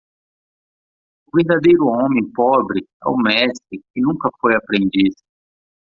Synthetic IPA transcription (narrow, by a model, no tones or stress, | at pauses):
ʊveɾd̪ad̪ejɾʊõmẽpɔbɾɪɛ̰ʊmɛst̪ɾɪkɪnũŋkɐfojapɾẽnd͡ʒis